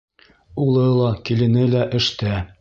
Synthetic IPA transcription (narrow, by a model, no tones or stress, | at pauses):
ulˠɤlˠɑkilɘ̆nɘlæʔɘ̆ʃt̪æ